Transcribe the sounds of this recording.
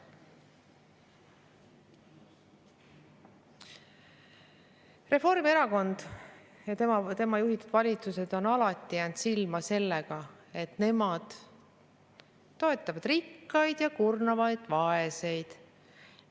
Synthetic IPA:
re̞fo̞rmie̞ɾɑko̞nd̪̥ | jɑt̪emɑt̪e̞mɑjuɦit̪ud̪vɑlʲit̪suse̞d̪̥o̞nɑlɑt̪ˑːijæːnd̪̥silmɑse̞lːeɡ̥ɑ | e̞t̪ne̞mɑd̪̥ | o̞e̞t̪ːˑɑvɑd̪̥rikːɑjd̪̥jɑkurnɑvɑjd̪̥vɑe̞se̞jd̪̥

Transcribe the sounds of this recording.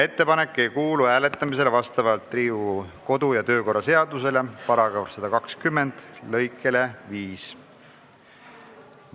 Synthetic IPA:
e̞t̪ːe̞pɑne̞kːe̞jkuːluhæːle̞t̪ːˑɑmis̬e̞levɑst̪ɑvɑlt̪ːˑriːuko̞d̪̥ujɑt̪ø̞ːko̞rːɑse̞ɑd̪use̞le̞pɑɾɑɡ̥ɑɾsɑd̪̥ɑkɑkskymːe̞nd̪̥lɤ̞jkːˑe̞le̞viːs

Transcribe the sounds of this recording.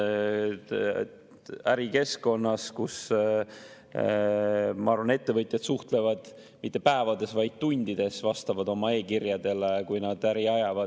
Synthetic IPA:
æɾike̞sko̞nːɑskus | mɑɑɾvɑne̞t̪ːe̞vɤt̪ʲˑjɑd̪̥suht̪le̞vɑd̪̥ | mit̪ːe̞pæevɑd̪e̞svɑjd̪̥̚t̪unʲd̪̥id̪̥e̞svɑst̪ɑvɑd̪o̞mɑe̞ːkirjɑd̪e̞lekujnɑd̪̥æɾiɑjɑvɑ

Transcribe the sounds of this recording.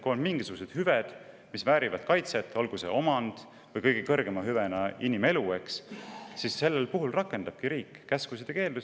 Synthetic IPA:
kuonmiŋɡ̥isuɡuse̞d̪̥hyved̪̥ | misvæːɾivɑd̪̥kɑjt̪se̞t̪ːˑo̞lɡ̥use̞̰o̞mɑnd̪̥ | vɤjkɤ̞jɡ̥ekɤ̞rɡ̥e̞mɑɦyvenɑinime̞luekssisːe̞lːe̞lpuɦulrɑkːˑe̞nd̪̥ɑb̥̚kiɾiːkˑːæskusid̪̥eke̞ːld̪us

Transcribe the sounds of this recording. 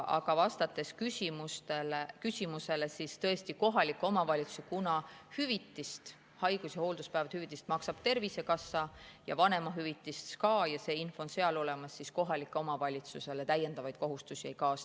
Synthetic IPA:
ʔɑ̰ɡ̥ɑvɑst̪ɑt̪ːˑe̞skysʲimust̪e̞lekysʲimuse̞lesist̪ɤ̞e̞st̪iko̞ɦɑlikːo̞mɑvɑlʲit̪su̥skunɑhyvit̪ːˑist̪ | hɑjɡ̥usjɑho̞ːld̪uspævɑt̪hyvit̪ːˑist̪mɑksɑb̥̚t̪e̞rvise̞kɑsːɑjɑ̰vɑne̞mɑɦyvit̪ːˑiskɑːjɑse̞ːinfoonse̞ɑlo̞le̞mɑsːisko̞ɦɑlikːˑeo̞mɑvɑlʲit̪suse̞let̪æjːe̞nd̪̥ɑvɑjd̪̥ko̞ɦust̪usie̞jkɑːs

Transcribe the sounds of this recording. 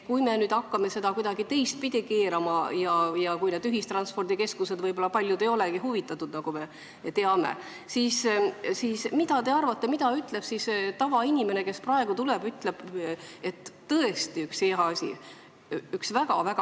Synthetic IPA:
kujme̞nyːd̪ɑkːɑme̞se̞d̪ɑkujd̪ɑɡ̥it̪e̞jst̪̚pid̪̥ʲike̞ːɾɑmɑjɑjɑkujned̪yɦist̪rɑnspo̞rd̪̥ike̞skuse̞d̪vɤjbo̞lːɑpɑlʲjud̪e̞jo̞leɡiɦuvit̪ːˑɑt̪ːˑud̪̥nɑɡ̥ume̞ | t̪e̞ɑmḛ | siːssiːsmid̪̥ɑt̪e̞ɑrvɑt̪ˑːe̞mid̪̥ɑyt̪ːˑle̞b̥sist̪ɑvɑinʲime̞ne̞ke̞sprɑe̞ɡ̥ut̪ule̞byt̪ːˑle̞b̥e̞t̪ːɤe̞st̪iykseɑɑsʲḭ | yksvæɡ̥ɑvæɡ̥ɑ

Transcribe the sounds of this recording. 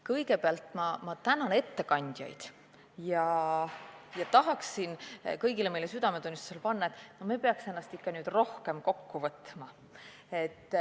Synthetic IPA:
kɤjɡ̥e̞peɑlt̪ˑmɑmɑt̪ænɑne̞t̪ːe̞kɑnʲd̪̥ʲjɑ̰jd̪̥ | jɑ | jɑt̪ɑɦɑksinkɤjɡileme̞jle̞syd̪̥ɑme̞t̪unʲːist̪u̥se̞lpɑnːɑe̞t̪ːˑnome̞peɑkse̞nːɑst̪ikːɑnyːd̪ro̞hke̞mko̞kːuvɤt̪mɑ | e̞t̪ː

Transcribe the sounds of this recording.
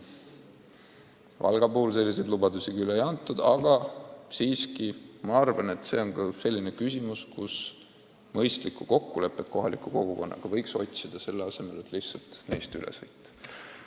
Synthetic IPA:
vʔɑ̰lɡ̥ɑpuːls̬e̞lʲːis̬e̞jd̪lubɑd̪usikylejɑnt̪ːˑud̪̥ɑɡ̥ɑsiːskimɑɑrvɑne̞t̪se̞ːo̞nkɑse̞lʲːine̞kys̬ʲimuskus | mɤjst̪likːuko̞kːule̞pːˑet̪̚ko̞ɦɑlikːˑuko̞ɡ̥uko̞nːɑ̰ɡ̥ɑvɤjkso̞̰t̪ʲsid̪̥ɑse̞lːeɑse̞me̞le̞t̪ˑlihtsɑlt̪nejst̪ylʔḛsɤjt̪ˑː

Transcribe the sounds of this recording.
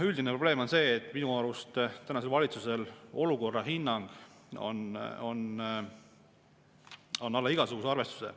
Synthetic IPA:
yld̪ineproble̞ːmo̞nse̞ːt̪ːˑminuɑlust̪t̪ːænɑse̞lvɑlʲit̪suse̞lo̞luko̞rːɑhinːɑŋɡ̥ | o̞̰no̞n | o̞nːɑlːɑiɡ̥ɑsuɡ̥useɑrve̞st̪u̥sḛ

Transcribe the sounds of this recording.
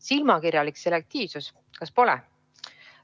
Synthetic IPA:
silmɑkirjɑlikse̞lek̚t̪iːvsus | kɑspo̞lɛ̰

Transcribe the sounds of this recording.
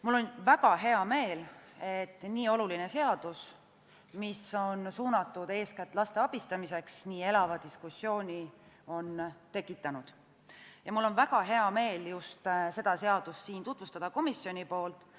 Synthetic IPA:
mulːo̞nvæɡ̥ɑɦe̞ɑme̞ːlet̪ˑːniːo̞lulinese̞ɑd̪̥us | miso̞nsuːnɑt̪ːˑud̪̥e̞ːskæt̪ːˑlɑst̪e̞ɑb̥ist̪ɑmise̞ksniːe̞lɑvɑd̪iskusːjo̞ːnʲi | o̞nt̪e̞kːˑit̪ːˑɑnud̪̥ | jɑmulːo̞nvæɡ̥ɑɦe̞ɑme̞ːljust̪se̞d̪ɑse̞ɑd̪̥ussiːnt̪ut̪vust̪ɑd̪̥ɑko̞misjo̞nʲipo̞ːlt̪ˑ

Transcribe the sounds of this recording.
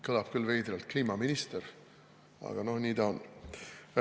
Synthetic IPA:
kɯlɑb̥kylːvejd̪ɾelt̪̚kliːmɑminist̪eɾ | ɑ̰ɡ̥ɑno̞hniːd̪ɑn

